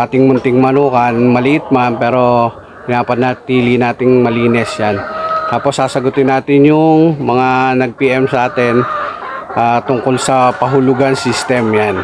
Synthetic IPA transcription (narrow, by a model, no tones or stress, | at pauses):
ʔaːt̪ɪŋmʊnt̪ɪŋmɐnuːkɐnmɐlɪʔɪt̪̚mampɛːɾo̞ | kɪnaːpɐd̪nat̪iːlinaːt̪ɪŋmɐliːnɛsjant̪aːposːaːsɐɡʊt̪ɪnaːt̪ɪnjʊŋmɐŋanɐɡ̚piʔɛmsɐʔaːt̪ɛn | ʔaːt̪ʊŋkolsɐpɐɦʊlʊɡansist̪ɛmjan